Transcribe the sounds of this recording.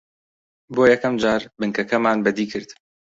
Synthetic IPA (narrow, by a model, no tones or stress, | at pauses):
boːjɛkɐmd͡ʒaːɾbɨŋkɐkʰɐmaːnbɐd̪iːkʰɨɾd̪